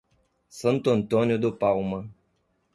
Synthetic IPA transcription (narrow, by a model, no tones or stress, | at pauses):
sənt̪ont̪onʲod̪opauma